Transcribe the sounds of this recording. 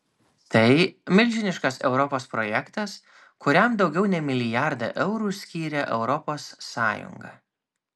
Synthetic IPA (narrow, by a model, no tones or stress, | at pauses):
t̪ɐɪmʲɪlʲʒʲɪnʲɪʃkɐsɛʊɾɔpoːspɾɔjɛkt̪ɐs | kʊɾʲɛmd̪ɒʊɡʲɛʊnʲɛmʲɪlʲɪjæɾd̪ɐ̰ʔɛʊɾuːsʲkʲiːɾʲɛʔɛʊɾɔpoːsːɑːjʊ̰ŋɡɐ̰